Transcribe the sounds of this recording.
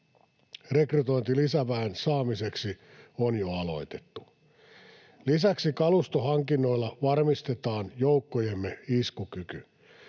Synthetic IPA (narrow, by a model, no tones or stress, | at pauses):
rekryt̪o̞int̪ilisæʋæːnsɑːmise̞ksi | onjoɑlo̞̰jt̪e̞̥t̪ːu | lisæksikɑlust̪oɦɑŋkinːo̞ilːɑʋɑrmist̪e̞t̪ɑːnjowkːojemːeiskukyky